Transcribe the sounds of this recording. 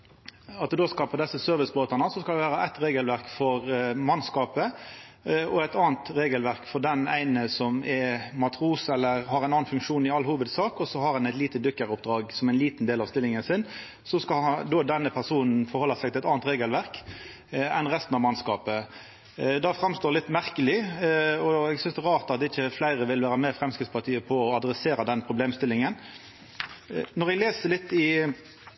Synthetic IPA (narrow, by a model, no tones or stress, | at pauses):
ɑt̪d̪ʉd̪oːskɑpəʁd̪ɛsːəsœɾʋɪsboːt̪ɑnəsɔskɑlɛʋæːɾəʔæt̪ɾeːɡəlʋæʁkfɔʁmɑnskɑːpə | ɔæt̪ɑːnt̪ʁeːɡəlʋæʁkfɔʁd̪ɛnæɪnəsɔmɛmɑt̪ʰʁuːsɛlːəʁhɑɾæɪnɑːnfʉŋkʂuːnɪɑlhuːʋəd̪sɑːkɔsɔhɑʁɑnæɪt̪liːt̪əd̪ʏkːəɾʊpd̪ɾɑːɡsɔmæɪnliːt̪n̩d̪eːlɑʋst̪ɪlːɪŋənsɪn | sɔskɑɑd̪oːd̪ɛnːəpʰæʁsuːnn̩fɔʁhɔlːɑsæɛɪɡt̪ɪɛt̪ɑːnt̪ʁeːɡəlʋæʁk | ɛnʁɛst̪nɑʋmɑnskɑːpə | d̪ɑfʁɑmst̪oːlɪt̪ːmæʁkəlɪɔɛɡsʏnsd̪ɛʁɑːʁt̪ɑt̪ɪçːəflæɪɾəʋɪlʋæːɾəmɛfʁɛmskɪt̪spɑʁt̪ʰiːəpʰɔɔɑd̪ɾɛseːɾɑd̪ɛnpʰʁʊbleːmst̪ɪlːɪŋən | nɔʁɛɡleːsəlɪt̪ːɪ